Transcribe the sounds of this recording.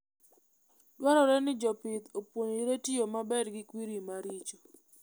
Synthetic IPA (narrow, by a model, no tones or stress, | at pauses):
dwaɾɔɾɛnɪd͡ʒɔpɪt̪opwoɲiɾetijomabɛɾɡɪkwiɾimaɾit͡ʃɔ